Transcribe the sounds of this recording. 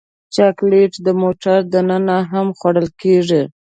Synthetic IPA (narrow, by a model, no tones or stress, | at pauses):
t͡ʃakleʈd̪əmoʈaɾd̪anənaɦamxwaɽəlkeʐi